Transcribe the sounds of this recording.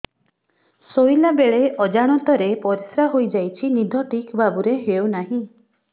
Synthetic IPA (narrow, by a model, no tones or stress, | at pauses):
sojlabeɭeʔɔd͡ʒaɽ̃ɔt̪ɔɾepɔɾisɾaɦojd͡ʒajt͡ʃʰinid̪ʱɔʈikbabuɾeɦewnaɦĩ